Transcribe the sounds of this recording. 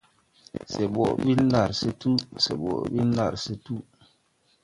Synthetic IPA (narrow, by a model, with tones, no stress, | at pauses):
se˨ɓo˨ɓi˦n˦la˨ɾse˦tu˦sḛ˨ɓɔ̰˨ɓi˦n˦la̰˨ɾse˦tu˦